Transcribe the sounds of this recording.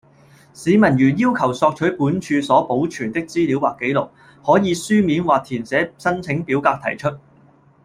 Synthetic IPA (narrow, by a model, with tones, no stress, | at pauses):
siː˨˧mɐ˨˩njyː˨˩njiː˥wkʰɐ˨˩wsɔː˧k̚t͡ʃʰɵ˨˥jpuː˨˥nt͡ʃʰyː˧sɔː˨˥po˨˥wt͡ʃʰyː˨˩nt̪ɪ˥k̚t͡siː˥liː˨˥waː˨kːe˨˥jlʊ˨˩k̚ | hɔː˨˥jiː˨˧syː˥miː˨˥nwaː˨k̚t̪ʰiː˨˩nt͡sɛː˨˥sɐ˥nt͡sʰɪ˨˥ŋpiː˨˥wkaː˧k̚t̪ʰɐ˨˩jt͡ʃʰɵ˥t̚